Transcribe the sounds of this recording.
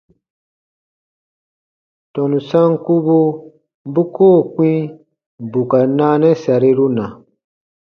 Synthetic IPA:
tɔ̃˨nũ˨sã˦ŋku˦bu˦ | bu˦koː˦˨k͡pĩ˦ | bu˨ka˨naː˦nɛ˦sa˨ɾi˦ɾu˦nã˨

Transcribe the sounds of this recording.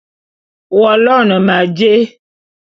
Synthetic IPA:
wɔ˨lɔ˦˨nə̃˨ma˨d͡ʒe˦

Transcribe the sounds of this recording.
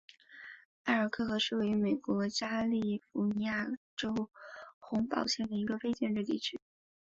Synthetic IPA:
a˥˩ɪə˞˨˩kʰɤ˥˩xɤ˧˥ʂɻ̩˥˩we˧˥y˥˧me˨˩ɪkwɔ˧˥t͡ɕja˥li˥˩fu˧˥ni˧˥ja˥˩ʈ͡ʂo˥ʊxʊ˧˥ŋpɑ̰˨˩ʊɕjɛ˥˩nd̪ə˩i˧˥ɡə˧fe˥ɪt͡ɕjɛ˥˧nʈ͡ʂɻ̩˥˧t̪ḭ˥˩ʈ͡ʂ̩ʰ˥

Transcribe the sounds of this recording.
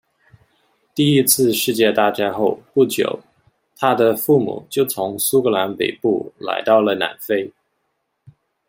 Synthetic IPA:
t̪i˥˩i˥t͡sʰɹ̩˥˧ʂɻ̩˥˧t͡ɕjɛ˥˧t̪a˥˩t͡ɕja˥ɪxo˥˧ʊpu˥˩t͡ɕjo̰˨˩˦ʊ | t̪ʰa˥d̪ə˨fu˥˩mṵ˨˩˦t͡ɕjo˥˩ʊt͡sʰʊ˧˥ŋsu˥kɤ˧˥la˧˥npe˨˩ɪpṵ˥˩la̰˧˥ɪt̪ɑ˥˩ʊlə˩na̰˨˩nfe˥ɪ

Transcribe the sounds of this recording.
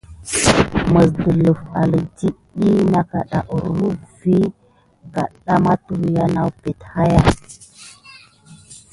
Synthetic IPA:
mə˨sdə˨lə˨fa˨lə˨di˦ɗi˦na˨ka̰˨ɗa̰˨ʔɾu˦vi˦ | ka̰˨ɗa˦ma˦tu˨ɾja˦na˨wpe˨tha˦ja˦

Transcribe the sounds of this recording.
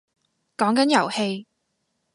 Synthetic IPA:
kɔː˨˥ŋkɐ˨˥njɐ˨˩whe˧j

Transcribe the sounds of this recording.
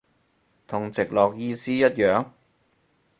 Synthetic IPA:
t̪ʰʊ˨˩ŋt͡sɪ˨k̚lɔː˨k̚jiː˧siː˥jɐ˥t̚jœː˨ŋ

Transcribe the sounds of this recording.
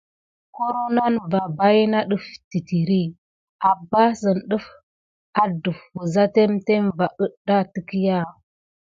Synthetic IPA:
ko˦ɾo˦na˦nva˨ba˦ji˦na˦ɗu˦fti˨ti˨ɾi˦ | a˨bːa˦sə˨nɗə˦f | a˦du˨fwu˨za˦te˦mte˦mva˨ʔə˦da˦tə˦ki˦ja˦

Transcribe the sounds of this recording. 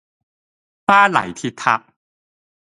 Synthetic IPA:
paː˥˩la̰˨˩˦jt̪ʰi˧t̪ʰːa˧˥p̚

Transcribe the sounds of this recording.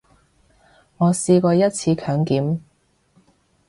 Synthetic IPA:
ŋɔː˨˧siː˧kɔː˧jɐ˥t̚t͡sʰiː˧kʰœː˨˥ŋkiː˨˥m

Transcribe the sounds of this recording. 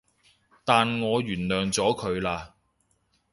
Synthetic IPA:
t̪aː˨nŋɔː˨˧jyː˨˩nlœː˨˩ŋt͡sɔː˨˥kʰɵ˨˧ɥlaː˧

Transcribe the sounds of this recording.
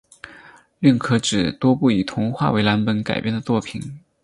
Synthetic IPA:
li˥˩ŋkʰɤ˧˥ʈ͡ʂɻ̩˨˩t̪wɔ˥pu˥˩i˨˩t̪ʰʊ˧˥ŋxwa̰˥˩we˧˥ɪla˧˥npə˧˥nka̰˨˩ɪpjɛ˥˩nd̪ə˩tt͡swɔ˥˩pʰi˨˩˦n

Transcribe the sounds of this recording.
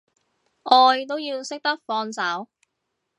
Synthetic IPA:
ʔɔː˧jt̪̬o˥wjiː˧wsɪ˥k̚t̪ɐ˥k̚fɔː˧nt͡sɐ˨˥w

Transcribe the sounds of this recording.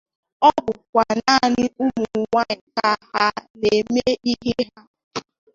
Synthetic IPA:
ɔ˦bʊ˨kʷa˨na˦˨nɪ˦u˦mu˨u˨ŋʷa˦ɲɪ˨ka˦ha˦ne˨me˦i˦ɦe˦ɦa˦

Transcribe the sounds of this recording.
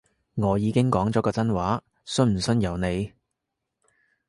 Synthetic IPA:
ŋɔː˨˧jiː˨˧kɪ˥ŋkɔː˨˥ŋt͡sɔː˨˥kɔː˧t͡sɐ˥nwaː˨˥ | sɵ˥m̩˨˩sɵ˥njɐ˨˧wne˨˧j

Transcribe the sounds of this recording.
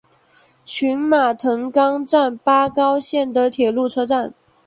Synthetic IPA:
t͡ɕʰy˧˥nma˨˩t̪ʰɤ˧˥ŋkɑ˥ŋʈ͡ʂa˥˩npa˥kɑ˥ʊɕjɛ˥˩nd̪ə˨t̪ʰjɛ˨˩lu˥˩ʈ͡ʂʰɤ˥ʈ͡ʂa˥˩n

